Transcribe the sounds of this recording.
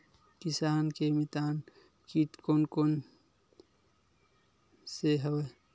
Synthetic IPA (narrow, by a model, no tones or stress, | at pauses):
kisaːnkemit̪aːn | kit̪koːnkoːn | seɦəwə